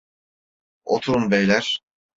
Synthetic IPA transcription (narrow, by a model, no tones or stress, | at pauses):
ot̪ʰuɾunvejlʲæɾ̥